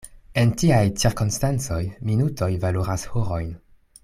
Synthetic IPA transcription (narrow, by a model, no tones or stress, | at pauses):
e̞ntiajt͡siɾkonstant͡so̞jminutʰo̞jvaloɾashoɾo̞jn